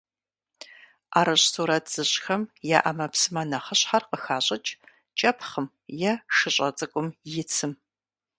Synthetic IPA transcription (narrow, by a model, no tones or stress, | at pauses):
ʔaːɾɐɕsuːɾɐtʰz̥ɨɕʼxɐmjaːʔamɐpsɨmɐnɐχəɕħarqəxaːɕʼɪt͡ʃʼ | t͡ʃʼɐpʰχəm | jɛʂɨɕʼɐt͡sʼɨkʷʼʊmjɪt͡sʰɨm